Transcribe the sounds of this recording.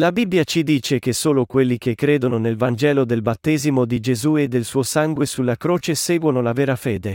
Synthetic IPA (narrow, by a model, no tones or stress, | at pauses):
labibːjat͡ʃid̪iːt͡ʃek̟esoːlokwelːik̟ekːɾeːd̪ononelvand͡ʒɛːlod̪elbat̪ːɛːzimod̪id͡ʒezued̪ːelsuːosaŋɡwesulːakɾoːt͡ʃesɛːɡwonolavɛːɾafɛːd̪e